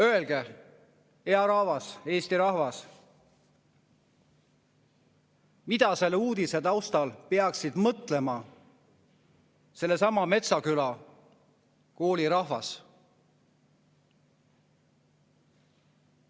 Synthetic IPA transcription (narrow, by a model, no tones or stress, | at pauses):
øe̞lɡ̥e | eɑɾɑhvɑse̞ːst̪iɾɑhvɑs | mid̪̥ɑse̞lːuːd̪̥ise̞d̪ɑwst̪ɑlpe̞ɑksid̪̥mɤt̪le̞mɑ | se̞lːe̞sɑmɑme̞t̪sɑkylɑ | ko̞ːliɾɑɦvɑs